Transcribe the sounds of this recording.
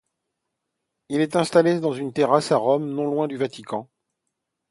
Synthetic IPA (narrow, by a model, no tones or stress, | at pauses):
ilɛt̪ɛ̃st̪aled̪ɑ̃zynt̪eʁasaʁɔmnɔ̃lwɛ̃d̪yvat̪ikɑ̃